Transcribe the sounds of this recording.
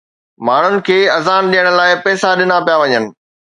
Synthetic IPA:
maːɳ̤ʊnɪ̆kʰeːɐzaːnɗijəɽ̃ʊ̆laːɪpɛːsaɗɪnapijaʋɐɲənɪ̆

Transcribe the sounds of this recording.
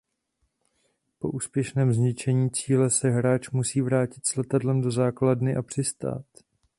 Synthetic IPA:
po̞̰ʔuːspjɛʃnɛːmzɲɪt͡ʃɛɲiːt͡siːlɛsɛɦɾaːt͡ʃmusiːvɾaːcɪt̪slɛt̪adlɛmdo̞zaːkladnɪʔapr̥ɪst̪a̰ːt̪

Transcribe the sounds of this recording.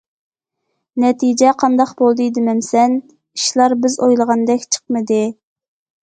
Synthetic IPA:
nɛt̪ʰid͡ʒɛqʰɑnd̪ɑqbolˠd̪ɨd̪ɪmɛmsɛn | iʃlˠɑɾbɪzojlˠəʁɑnd̪ɛkʲt͡ʃʰə̥qmɨd̪ɨ

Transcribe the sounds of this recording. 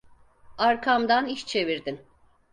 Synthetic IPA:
aɾkʰamd̪aniʃt͡ʃʰe̞viɾd̪in

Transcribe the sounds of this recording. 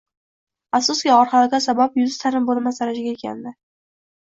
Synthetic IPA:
afsʊsɡʲiɒɾχɑlaɡʲasabapjʊzt̪ʰaɾɪmbolˠmasaɾaʃɪɡʲaekʲa̰nd̪ɪ

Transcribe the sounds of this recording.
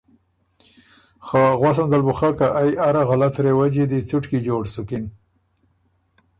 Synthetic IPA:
xaɣwas̬and̪albuxakaʔajaɾaɣalat̪ɾewad͡ʒid̪it͡suʈkid͡ʒoːɖsʊkin

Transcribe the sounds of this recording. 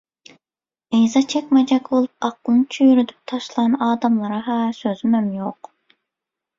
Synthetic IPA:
ejzɑt͡ʃʰɛkʲmɛd͡ʒɛkʲbolˠup̚ɑqəlˠnɨt͡ʃʰyjyɾyd̪yp̚t̪ʰɑʃlˠɑnɑːd̪ɑmlˠɨɾɨɦɛsøzymɛmjoq

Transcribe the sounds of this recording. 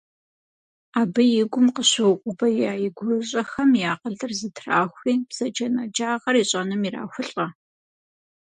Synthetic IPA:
aːbɨjɪɡʷʊmqəɕɨwʊqʷʼʊbɐjaːjɪɡʷrɐɕʼɐxɐmjaːqəɮɨrzɨtʰraːxʷiːbz̥ɐd͡ʒɐnɐd͡ʒaːʁɐriɕʼɐnɨmira̰ːxʷʊɬʼɐ

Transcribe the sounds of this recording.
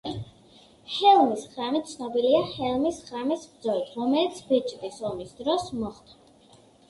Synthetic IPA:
hɛlˠmisχɾamit̪t̪sʰnɔbiliahɛlˠmisχamisbd̪zɔlit̪ʰɾɔmɛlit̪sʰbit͡ʃʼt̪ʼisɔmisd̪ɾɔsmɔχd̪a

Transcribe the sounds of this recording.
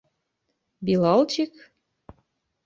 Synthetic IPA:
bilˠɑlˠt͡ɕik

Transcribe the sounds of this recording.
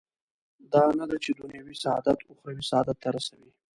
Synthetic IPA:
d̪ɑnad̪at͡ʃed̪ʊnjawisaɑ̰d̪at̪ʰʊxɾawisaɑd̪at̪ʰːaɾasawi

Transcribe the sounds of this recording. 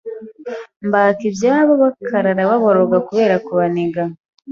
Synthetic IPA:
mbaːkibjaːβoβakʰaɾaɾaβaβoɾoɡakuβe̞ːɾakuβaneɡa

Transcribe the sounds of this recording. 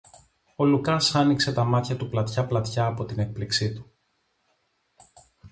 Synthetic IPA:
o̞lukɐsɐnikse̞t̪ɐmɐt̪çɐt̪uplɐt̪çɐplɐt̪çɐːpo̞t̪ine̞k̚pliksit̪u̥

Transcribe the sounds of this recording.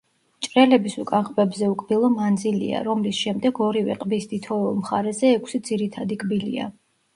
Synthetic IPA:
t͡ʃʼɾɛlɛbisukʼanχbɛbzɛukʼbilˠɔmand̪zilḭa̰ɾɔmlisʃɛmd̪ɛɡɔɾivɛ̰qʼbisd̪it̪ʰɔulˠmχaɾɛzɛːkʷʰsid̪ziɾit̪ʰad̪ikʼbilḭa̰

